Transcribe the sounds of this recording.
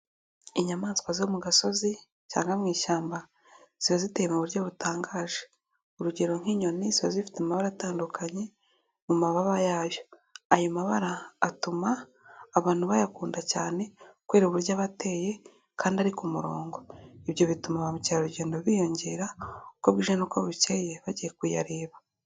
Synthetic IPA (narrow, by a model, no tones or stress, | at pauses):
iɲamaːnsi̥kwaziomuɡaso̞zi | ca̰ːŋɡamŋiːʃaːmba | z̥iβazitejemuβuɾɟo̞βutaːŋɡaːʒe | uɾuɟe̞ɾo̞ŋ̥hiːɲo̞niziβazifi̥temaβaɾataːndukaɲe̞ | mumaβaβajaːβjo | ajomaβaɾaːtumaː | βaːn̥huβajakuːndacaːne̞kwe̞ːɾoβuɾjaβate̞ːje̞ | kʰaːndiaɾikumuɾo̞ːŋɡo̞iβjo̞βitumaβaβucaɾuɟe̞ːndoβijo̞ɲɟe̞ːɾaukoβɡiːʒanokoβuceje̞βaɟije̞kuja̰ɾeːβa